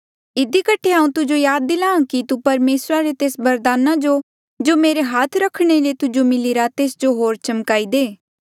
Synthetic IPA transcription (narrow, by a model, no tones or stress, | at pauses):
ɪd̪ikəʈʰːeãːũt̪ʊd͡ʒojaːd̪̚ːɪlãːkit̪upɐɾmeːsɾaɾet̪eːsbɐɾd̪aːnãd͡ʒo | d͡ʒoːmeːɾeɦaːt̪ʰɾɐkʰɽ̃elet̪ʊd͡ʒomɪliɾat̪eːsd͡ʒoɦoːɾt͡ʃɐmkaːid̪eː